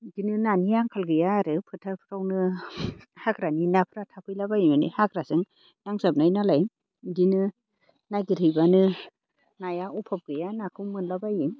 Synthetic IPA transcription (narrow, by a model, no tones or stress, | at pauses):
dinɯnanijaŋkʰalɡɯjaɾɯpʰɯtʰapʰɯɾawnɯ | hakɾaninapʰɯɾatʰapʰɯjlabajimɯnḭhakɾasɯŋ | naŋsap̚najnalaj | dinɯ | najɡiɾɯjbanɯ | najaupʰap̚ɡɯjanakʰɯwmɯnlabajim